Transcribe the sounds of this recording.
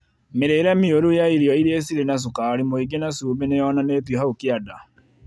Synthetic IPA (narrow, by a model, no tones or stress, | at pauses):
meɾeɾɛmioɾujaiɾiɔiɾies̬iɾenas̬ukaɾimoiɡenasuːbenejɔnaneːtwehaukiada